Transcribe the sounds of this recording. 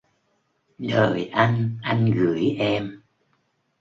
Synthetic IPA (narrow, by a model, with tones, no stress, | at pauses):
ɗəː˨˩jʔa˧jŋ̟ʔa˧jŋ̟ɣɨ̰˧˨əjʔɛ˧m